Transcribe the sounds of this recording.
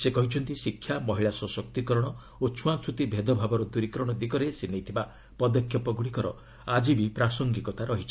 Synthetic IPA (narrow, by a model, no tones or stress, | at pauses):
sekɔɦit͡ʃʰɔnt̪isikʰːjamɔɦiɭasɔsɔk̚t̪ikɔɾɔɽ̃ɔ | ot͡ʃʰuat͡ʃʰut̪ibʱed̪ɔbʱabɔɾɔd̪uɾikɾɔɽ̃ɔd̪ikɔɾesinejt̪ʰiba | pɔd̪ɔkʰjɔpɔɡuɽikɔɾɔ̰ | ad͡ʒibipɾasɔŋɡikɔt̪aɾɔɦit͡ʃʰi̥